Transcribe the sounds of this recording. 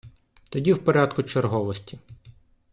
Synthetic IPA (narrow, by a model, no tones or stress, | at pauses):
t̪ɔdʲiwpɔɾʲad̪kʊt͡ʃerɦɔʋɔsʲtʲi